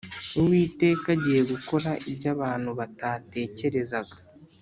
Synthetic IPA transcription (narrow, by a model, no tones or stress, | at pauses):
uwiːte̞ːkaɟiːje̞ɡuko̞ɾaʔibɟaβaːn̥huβatate̞ːce̞ɾe̞zaɡḁ